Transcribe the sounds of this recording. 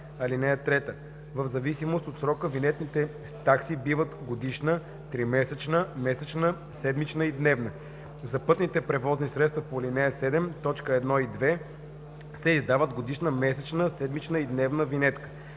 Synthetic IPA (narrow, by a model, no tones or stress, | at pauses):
ɐlinɛjət̪ɾɛt̪ə | vəvzɐvisimost̪ot̪sɾɔkəvinɛt̪nit̪ɛ | t̪aksibivət̪ɡod̪iʃnə | t̪ɾimɛsɛt͡ʃnəmɛsɛt͡ʃnə | sɛd̪mit͡ʃnəid̪nɛvnə | zɐpɤt̪nit̪ɛpɾɛvɔznisɾɛt̪st̪vɐpolinɛjəsɛd̪ɛmt̪ɔt͡ʃkəɛd̪nɔid̪vɛ | sɛizd̪avəd̪ɡod̪iʃnəmɛsɛt͡ʃnəsɛd̪mit͡ʃnəid̪nɛvnəvinɛt̪kə̥